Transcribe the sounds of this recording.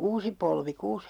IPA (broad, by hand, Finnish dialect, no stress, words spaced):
uːsi polʋi kuːs